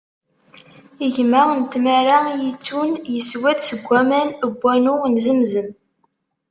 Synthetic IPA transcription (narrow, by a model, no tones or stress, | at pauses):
iʝməʁənt̪mæɾajit͡sːunjəswæd̪səɡʷːæmænəbʷːænʊnzəmzəm